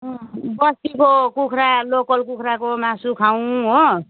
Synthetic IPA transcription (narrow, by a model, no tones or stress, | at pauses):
bʌstikokukʰɾalokʌlkukʰɾakomasukʰaw̃ɦo